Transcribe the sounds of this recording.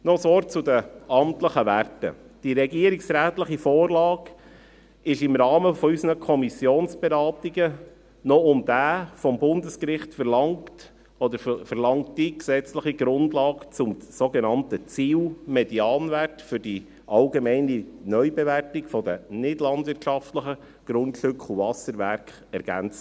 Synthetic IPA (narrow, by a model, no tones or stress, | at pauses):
nɔsɔːɾt͡sʊd̪əɑmt̪ləχəʋærtə̰ | d̥iɾɛɡiːəɾiksɾæːtləχifoːɾlɑːɡ | ɪʃɪmɾɑːməfɔysənəkʰɔmisjoːnsb̥eɾɑːt̪iɡə | nɔʊmd̥̪æːfɔmbʊnd̪əskɾɪχtfəɾlɑŋt | ɔd̪əɾfəɾlɑŋt̚diksɛt͡sləχiɡɾʊndlɑːkt͡sʊmsoɡenɑntət͡siːlmɛd̥iɑːnværtfʏɾd̥i | ʔɑlɡemɛɪninœʏbeværtɪkfɔd̪ənɪdlɑnd̪ʋɪɾtʃɑftləχə | ɡ̥ɾʊntʃɵkχuvɑsəɾʋæɾkχ | ɛɾɡ̥æ̰nt͡sə